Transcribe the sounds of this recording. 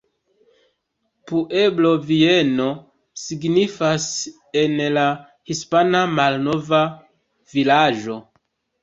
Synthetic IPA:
puʔe̞blo̞vie̞no̞ | siɡnifas | e̞nla | hispanamalno̞va | vilaʒo̞

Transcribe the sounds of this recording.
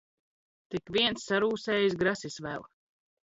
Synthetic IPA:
t̪ikʋiɛnsːaɾuːsɛːjisɡɾasisʋɛ̰lˠ

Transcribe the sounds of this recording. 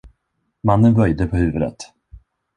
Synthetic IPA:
manːənbœɾjd̪əpʰɔhʉ̟ːvəd̪ə̰t̪

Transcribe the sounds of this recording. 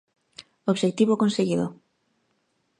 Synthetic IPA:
oβʃekt̪iβokonseɣiðo

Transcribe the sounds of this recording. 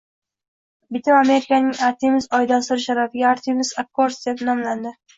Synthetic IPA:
bɪt̪ʰaame̞ɾɪkʰanɪŋaɾt̪ʰimɪzɒjd̪ansɪɾʃaɾafɪɡʲaaɾt̪ʰimɪz̥akːoɾsd̪epnɒmland̪ɪ

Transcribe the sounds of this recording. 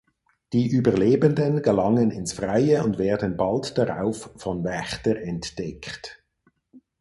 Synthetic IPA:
d̥iːʔyːbəɐleːbəndənɡəlaŋənɪnsfʁ̥aɪəʊndvɛːɐdən̩baltd̥aʁa̰ʊffɔnvɛçtəʁɛntd̥ɛkt

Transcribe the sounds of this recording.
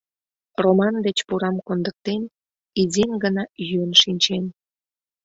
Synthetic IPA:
romɑnd̪et͡ɕpuɾɑmkond̪ək̚t̪en | izʲenɡənɑjyənʃinʲt͡ɕen

